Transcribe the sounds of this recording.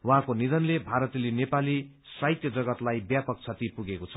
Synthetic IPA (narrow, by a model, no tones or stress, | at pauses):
wʌɦãkonid̪ʌnlebʱaɾʌt̪lenepali | sajt̪jʌd͡zʌɡʌt̪lajbjapʌk̚t͡sʰʌt̪ipuɡekot͡sʰʌ